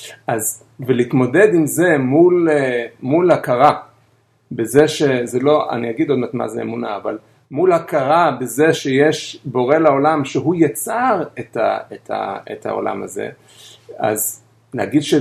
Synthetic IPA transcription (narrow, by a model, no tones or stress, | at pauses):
ʔaz | velit̪mo̞d̪e̞d̪imze̞mulmulhakaʁa | bezeʃezelo̞a̰niaɡid̪od̪mat̪ma̰zeḛmuna̰aval | mulhakaʁabezeʃejeʃbo̞ʁe̞lao̞lamʃeɦujat͡saʁet̪a̰et̪ʰha̰ḛt̪ha̰o̞̰lʔa̰ma̰ze̞̰ | a̰z | lehaɡid̪ʃe